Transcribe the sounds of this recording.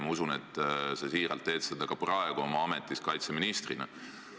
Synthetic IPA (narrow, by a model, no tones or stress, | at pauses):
mɑusune̞t̪ˑːsɑsiːɾɑlt̪ːeːd̪̥sed̪̥ɑkɑprɑeɡ̥oomɑɑme̞t̪ːˑiskɑjt̪se̞minist̪rinɑ